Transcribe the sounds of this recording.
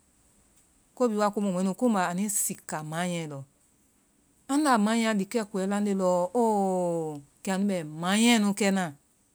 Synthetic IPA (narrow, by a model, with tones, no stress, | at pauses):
ko˦bi˨˦wa˧˨ku˧˦mõ˨ɛ̃˨˦nũ˧˨kũ˦ba˨a˨nĩ˦si˨ka˨mã˨˦j̃ɛ̃˧˨lɔ˨ | ã˦la˨mã˨˦j̃ã˧˨li˨kɛ˦˨ku˨ɛ˨˦lã˦n˦de˧˨lɔ˧˦o˦ | kɛ˨a˨nũ˦bɛ˨mã˨˦j̃ɛ̃˦˧nũ˧kɛ˧nã˨